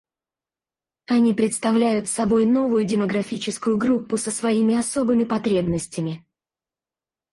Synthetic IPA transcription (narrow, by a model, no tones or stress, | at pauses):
ɐnʲipɾʲɪt̪st̪ɐvlʲæjʊt̪sɐbo̞jno̞vʊjʊdʲɪməɡɾɐfʲit͡ɕɪskʊjʊɡɾupːʊsəsvɐimʲɪɐso̞bɨmʲɪpɐt̪ɾʲe̞bnəsʲtʲɪmʲɪ